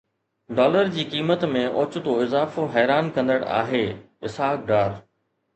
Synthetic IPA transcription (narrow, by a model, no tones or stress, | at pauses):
ɖɔːləɾd͡ʑiːkiːmət̪mẽʔʊt͡ɕʊ̆t̪oɪzaːfoɦɛːɾaːnkɐ̃nd̪əɽa̰ːɦeː | ɪsaːk̚ɖaːɾ